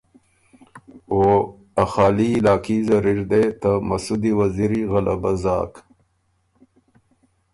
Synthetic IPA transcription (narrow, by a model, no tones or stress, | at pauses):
o | axaːliːlaːkizɐɾiɾd̪et̪amasud̪iwaziɾiɣalʔa̰baza̰ːk